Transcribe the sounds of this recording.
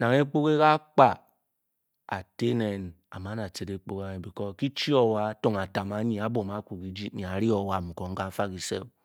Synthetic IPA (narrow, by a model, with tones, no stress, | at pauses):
na˨ŋe˦k͡po˦ke˦ka˦k͡pa˨ | a̰˨te˦ne˨n | a̰˨ma˦na˨se˨de˨k͡po˦ka˦ɲe˨bi˨kɔ˦ki˦t͡ʃi˦ɔ˦wa˦to˨ŋa˨ta˨ma˨˦ɲi˨a˨˦bo˨ma˨˦ku˨ki˨˦d͡ʒi˦tɲi˨a˨˦ɾi˦ɔ˨wa˨m̩˨kɔ˨ŋ̩˦ka˦fa˦ki˨sḛ˦˨